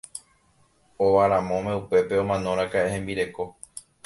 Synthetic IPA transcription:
oʋaɾãmõmeupe̞pe̞õ̞mãnõ̞ɾ̃ãkaʔehẽ̞mbiɾe̞ko̞

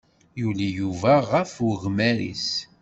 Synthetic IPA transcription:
julijuvæʁəfwəɣmæɾḭs

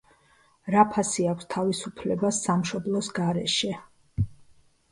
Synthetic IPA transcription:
ɾapʰasiakʷʰst̪ʰavisupʰlɛbasːamʃɔblˠɔsɡaɾɛʃɛ

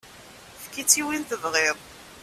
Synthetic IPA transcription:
fkːit͡sːiwinθəvʁɪðˤ

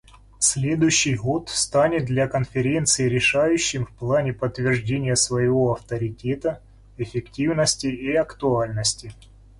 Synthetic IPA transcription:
sʲlʲe̞d̪ʊjɕːɪjɣo̞t̪st̪anʲɪt̪̚d̪lʲɐkənfʲɪɾʲe̞nt̪sɨɪɾʲɪʂajʉɕːɪmfplˠanʲɪpət̪ːvʲɪrʐdʲenʲɪjəsvəjɪvo̞ɐft̪əɾʲɪtʲet̪ə | ɪfʲɪktʲivnəsʲtʲɪiɐkt̪ʊalʲnəsʲtʲɪ

